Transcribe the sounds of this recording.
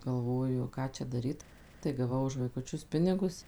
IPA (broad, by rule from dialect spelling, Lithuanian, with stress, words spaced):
ɡɐlˠˈʋoːjʊ ˈkɑː t͡ʃʲɛ dɐˈrʲiːt tɐɪ ɡɐˈʋɐʊ ʊʃ ʋɐɪkʊˈt͡ʃʲʊs ˈpʲɪnʲɪɡʊs